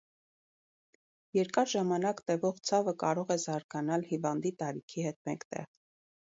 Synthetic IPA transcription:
jɛɾkɑɾʒɑmɑnɑkt̪ɛvɔʁt͡sʰɑvəkɑɾɔʁɛzɑɾɡɑnɑlhivɑnd̪it̪ɑɾikʰihɛt̪mɛŋkʰt̪ɛ̰ʁ

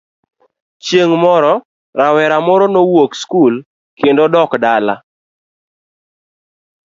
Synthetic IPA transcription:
t͡ʃjeŋmɔɾɔ | ɾawɛɾamɔɾɔnowokskul | kendodɔkdala̰

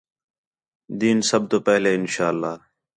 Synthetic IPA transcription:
d̪iːnsəb̚t̪oːpɛɦleːɪnʃaːəlːaː

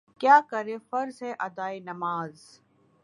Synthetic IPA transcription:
kjaːkɐɾẽːfɐɾzɦɛʔɐd̪aːinɐmaːz

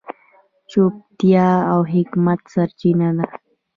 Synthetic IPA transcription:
t͡ʃop̚t̪jaawɦɪkmat̪saɾt͡ʃinad̪a

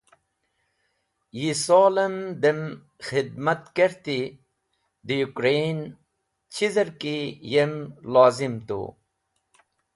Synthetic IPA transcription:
jisoːlɐmd̪em | xid̪̚mɐt̪keɾt̪i | d̪ijukɾen | t͡ɕʰizɐɾkijemlaːzimt̪ṵ

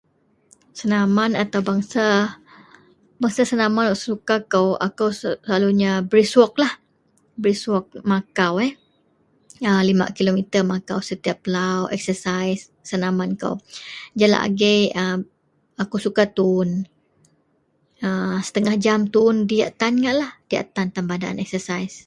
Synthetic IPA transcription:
sənamanat̪awbaŋsa | baŋsasənamanɔʔssukakəwa̰kawsəlaluɲabɾiswɔk̚lah | bɾiswɔk̚makawɛ | əlima̰kilomit̪ərmakawsət̪iap̚ːəlawʔɛ̰k̚səsajsːənamankə̰wd͡ʒala̰ʔa̰ɡejə | akuwsukat̪un | əsə̥t̪əŋahd͡ʒamt̪undija̰ʔt̪anŋaʔlahd̥ia̰ʔt̪ant̪ambadaa̰nɛksəsajs

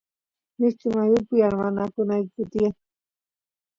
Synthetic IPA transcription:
mɪkɪmajʊpʊjaɾmanakʊnajkkʊt̪ɪjaŋ

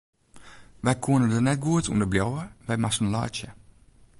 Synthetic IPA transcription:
ʋɛjkʰuənədənɛt̚ɡuətʰuəndəbljɔwəʋɛjmasən̩la̰ːt͡ʃjə

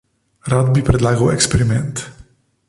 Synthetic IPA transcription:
ɾad̪bipɾɛd̪laːɡawɛkspeɾimɛnt̪

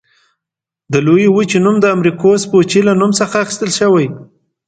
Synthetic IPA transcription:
d̪əlojiwut͡ʃenumd̪əamɾikospot͡ʃilanumsəxaːxi̥st̪əlʃəwaj

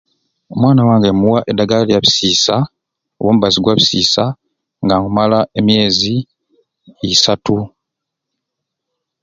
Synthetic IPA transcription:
omwaːnawaːŋɡemuwaʔedːaɡalalijaβi̥siːsa | o̰wo̞ːmuβaziɡwaβisiːsa | ŋɡaŋumalae̞mje̞ːziː | satu

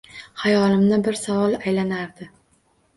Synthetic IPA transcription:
hajɒlɪmnɪbɪɾsavɒlˠajlanaɾd̪ɪ

